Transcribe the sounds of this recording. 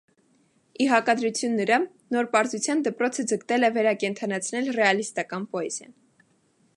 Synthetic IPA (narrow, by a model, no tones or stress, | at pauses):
iɦɑkɑd̪ɾut͡sʰjunːəɾɑ | nɔɾpɑɾzut͡sʰjɑnd̪əpɾɔt͡sʰəd͡zəkt̪ɛlɛvɛɾɑkɛnt̪ʰɑnɑt͡sʰnɛlrɛɑlist̪ɑkɑnpɔɛz̥ə̰